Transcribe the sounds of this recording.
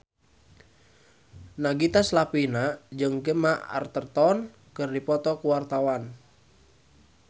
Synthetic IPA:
naɡit̪aslapinad͡ʒɨŋɡəmaa̰rt̪ərt̪ɔn | kɨrdipɔt̪ɔkuwart̪awan

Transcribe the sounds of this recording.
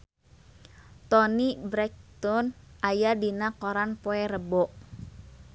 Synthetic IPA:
t̪ɔnibɾɛk̚t̪ɔnʔajadinakoɾanpoeɾəbɔʔ

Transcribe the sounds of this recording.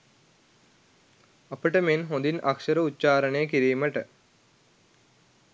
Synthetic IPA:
apəʈəmenɦõnd̪inɐksəɾəutːt͡ʃaːɾəɳejəkiɾiːməʈə

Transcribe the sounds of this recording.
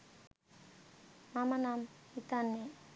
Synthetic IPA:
mamanamit̪anːe

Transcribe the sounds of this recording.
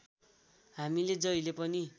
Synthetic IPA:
ɦamiled͡zʌilepʌni

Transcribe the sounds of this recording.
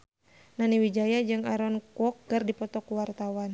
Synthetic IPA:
naniwid͡ʒajad͡ʒɨŋaɾɔnkuɔk̚ːərdipɔt̪ɔkuwart̪awan

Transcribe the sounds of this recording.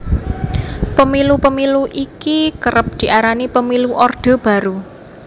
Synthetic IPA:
pəmilupəmiluʔikikəɾəp̚d̪̥i̤ʔaɾanipəmiluʔɔrd̪̥ɔ̤b̥a̤ɾu

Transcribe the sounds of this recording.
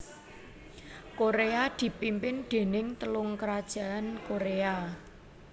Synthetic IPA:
koɾead̪̥i̤pimpɪnɖ̪̥e̤nɪŋt̪əlʊŋkəɾad̥ʒ̥ä̤ʔankoɾea

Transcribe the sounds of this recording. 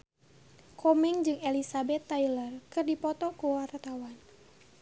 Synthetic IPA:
kʰɔmɛŋd͡ʒɨŋɛlisabɛt̪ːajlərkɨrdipɔt̪ɔkuwart̪awan

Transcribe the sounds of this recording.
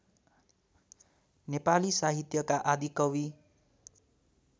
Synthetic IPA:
nepalisaɦit̪jʌkaʔad̪ikʌwi

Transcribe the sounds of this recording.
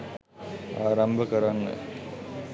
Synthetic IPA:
aːɾambʱəkəɾanːə̰

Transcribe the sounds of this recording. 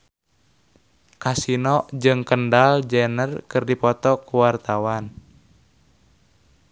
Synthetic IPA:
kasinɔʔd͡ʒɨŋkəndald͡ʒɛnərkɨrdipɔt̪ɔkuwart̪awan

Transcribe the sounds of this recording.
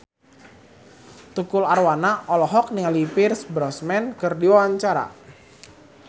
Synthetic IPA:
t̪ukʊlarwanaʔɔlɔɦɔk̚nialipirsbɾɔsmɛnkərdiwawaɲt͡ʃaɾa̰

